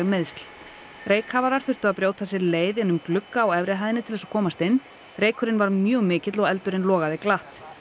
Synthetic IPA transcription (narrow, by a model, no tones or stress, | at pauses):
meðst̪l̥ | reːjkhavaɾaɾ̥θʏr̥t̪ʏɣaðpɾjoːwt̪ʰas̬ɛɾleːjðɪnːʏmklʏkːaːwɛvɾɪɦajðɪnɪt̪ʰɪlðɛsakʰɔːmast̪ɪnː | reːjkʰʏɾɪnvaɾmjœːɣmɪːcɪt̪lɔɣɛlt̪ʏɾɪnlɔːɣaðɪklaht̪